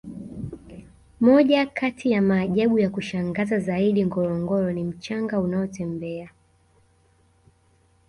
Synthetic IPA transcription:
mɔʄakatʰijamaːʄaɓujakuʃaŋɡazazaiɗiŋɡɔɾɔŋɡɔɾɔnim̩t͡ʃaŋɡaunaɔtɛmbɛa

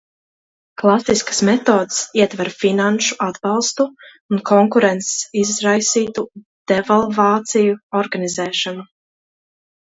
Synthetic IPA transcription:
klˠasiskə̥smɛt̪oːd̪siɛt̪vaɾfinanʃu̥ʔad̪bɑlˠst̪uː | nkʰɔŋkuɾɛnt̪ssizɾajsiːt̪u | d̪̥ɛvalˠvaːt̪sijuɔɾɡanizɛːʃɔnu

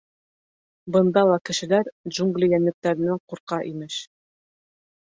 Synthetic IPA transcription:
bɤ̆nd̪ɑlˠɑkɘ̆ʃɘ̆læɾd͡ʒuŋɡlʲijænɘ̆p̚t̪æɾɘ̆næɴquɾqɑʔimɘʃ

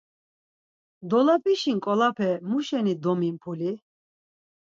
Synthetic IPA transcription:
d̪ɔlapʰʼiʃiŋkʼɔlapʰɛmuʃɛnid̪ɔmimpʰuli

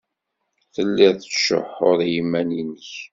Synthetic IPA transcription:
θəlːiʁθəʃʊ̰ħʊɾjimːæninəç

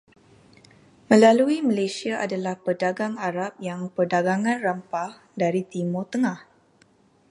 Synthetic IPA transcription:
mə̃laluiməlasiaʔadalahpərdaɡaŋaɾap̚jaŋpərdaɡaŋãnrəmpah | daɾit̪imot̪əŋãh

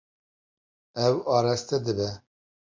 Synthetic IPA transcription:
ɛwɑːɾɛst̪ɛd̪ɨbɛ

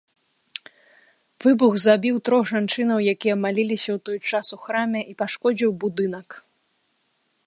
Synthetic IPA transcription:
vɨbuɣzabʲiwt̪ɾɔɣʐant͡ʂɨn̪ɐwjakʲijɐmalʲilʲisʲɐwt̪ɔjt͡ʂasuxɾamʲɛʔipaʂkɔd͡zʲiwbud̪ɨnɐk

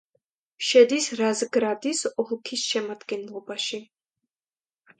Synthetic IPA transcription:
ʃɛd̪isɾazɡɾad̪isɔlˠkʰisʃɛmad̪ɡɛnlˠɔbaʃi

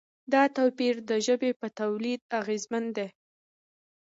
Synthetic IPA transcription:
d̪ɑt̪awpiɾd̪əʒəbepət̪awlid̪̚aɣezmand̪e

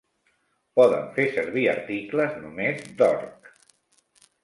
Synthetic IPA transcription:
pɔðə̰ɱfesəɾβiə̰ɾt̪ikləznumezd̪ɔ̰ɾk

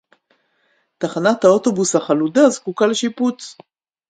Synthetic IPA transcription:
taχanathao̞to̞bushaχaludazkukaleʃiput͡s

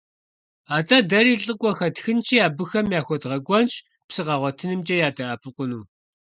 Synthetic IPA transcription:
aːtʼɐdɐɾiːɬʼɨkʷʼɔxɐtxɨnt͡ʃʰiːaːbɨxɐmjaːxʷɔdʁɐɡʷʼɔnt͡ʃʼ | psɨqɑʁʷɔtʰɨnɨmt͡ʃʼɐjaːtʼɐʔɐpʰʼɨqʷʊnuː

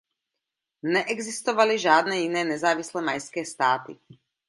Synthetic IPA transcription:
nɛʔɛɡzist̪ɔʋaliʒaːd̪nɛinɛːnɛzaːʋislɛmajskɛːst̪aːt̪ḭ

